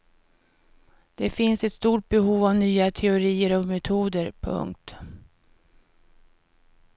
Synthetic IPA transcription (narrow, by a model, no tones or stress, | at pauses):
d̪̥ɛfɪnsɛt̪st̪uːʈ̚bɛɦuːvavnyːat̪ʰɛʊɾiːəɾɔmɛt̪ʰuːd̪əɾpʰɵ̰ŋk̚t̪